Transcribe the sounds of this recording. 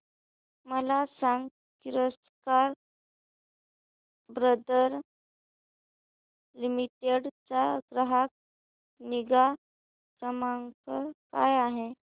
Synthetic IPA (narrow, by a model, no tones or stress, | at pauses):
məlasaŋɡ | kiɾəs | kaɾ | bɾəd̪əɾ | limiʈeɖt͡saɡɾəɦak̚ | niɡa | kɾəmaŋkəkajaɦe